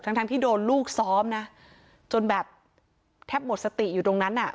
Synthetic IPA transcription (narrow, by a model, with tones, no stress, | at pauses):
a˦˥ŋt̪a˧ŋt̪iː˥˩doː˧nluː˥˩k̚sɔː˦˥mna˦˥ | t͡ɕo˧nbɛː˨˩p̚ | t̪ʰɛː˦˥˩p̚mo˨˩t̪̚sa˧t̪i˨˩juː˨˩t̪o˧ŋna˦˥nʔa˨˩